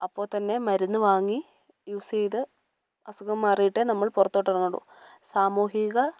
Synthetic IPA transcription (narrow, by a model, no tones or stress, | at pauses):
ɐpːo̞ːt̪ɐnːe̞mɐɾunːɨʋaːŋːi | jusejðɨ | ɐsuɣɐmːaːrijiʈːenɐmːɐɭpurɐt̪ːo̞ːʈːɐrɐŋːɐɽṵ | saːmuːɦiɣɐ